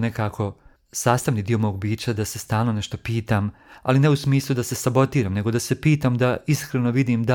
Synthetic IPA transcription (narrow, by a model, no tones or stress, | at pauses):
nekaːkʰo̞ | saːst̪aʋnid̪iːo̞mo̞ːɡ̚biːt͡ɕad̪ase̞st̪aːlˠnone̞ʃt̪o̞piːt̪aːma̰line̞usmiːslˠud̪ase̞sabo̞t̪iːɾamne̞ɡo̞d̪asepiːt̪amd̪aiskɾeno̞ʋid̪iːmd̪a